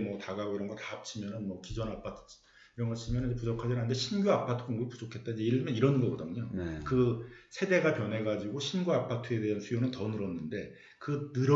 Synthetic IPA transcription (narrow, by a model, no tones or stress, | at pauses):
mʌtaɡaɡoiɾʌnɡʌtap̚t͡ɕʰimjʌnɯnmwʌkid͡ʑʌnapʰatʰt͡ɕ | iɾʌnɡʌt͡ɕʰimjʌnɯnd͡ʑepud͡ʑʌkʰad͡ʑinanːdeɕʰinɡjoapʰatʰɯkoŋɡuɡipud͡ʑokʰet̚t͈aiɲd͡ʑe̞iɭmjʌniɾʌnɡʌɡʌdɯɲonkɯsʰede̞ɡapjʌnɦe̞ɡad͡ʑiɡoɕʰinɡjoapʰatʰɯe̞de̞ɦansʰujonɯntʌnɯɾʌnːɯnde̞ | kɯnɯɾ